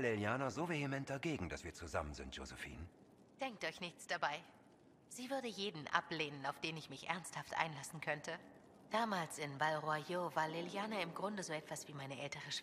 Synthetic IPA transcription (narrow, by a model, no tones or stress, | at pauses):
leljaːnazoːvehemɛnt̚d̥aɡeːɡŋ̩dasv̥iːɐt͡suza̰mənzɪ̰ntjo̰zɛfḭːn | d̥ɛŋk̚tɔɪçnɪçt͡sd̥abaɪ | z̥iːvʏɐdəjeːdn̩ʔa̰pleːnənaʊfd̥eːnɪçmɪçʔɛ̰ɐnsthaftʔa̰ɪnlasn̩kʰœntʰə | d̥aːmaːlsɪnvalʁoajovaːɐleljaːnaɪmɡʁʊndəzoːɛtv̥asv̥iːmaɪnəʔɛltəʁəʃ